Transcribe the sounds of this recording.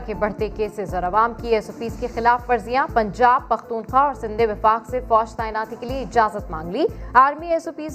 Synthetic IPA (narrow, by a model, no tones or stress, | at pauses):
kebɐɽ̤t̪ekeːsezɔːɾɐʋaːmkieːsoːpiːzkexɪlaːfːɐɾzijãpɐ̃ɲd͡ʒaːb̚pɐxt̪uːnxaːɔːɾsɪ̃nd̪ʱeʋɪfaːqsefɔːʃt̪aːɪnaːt̪ikelieɪd͡ʒaːzət̪mã̰ːŋɡliːaːɾmieːsoːpiːz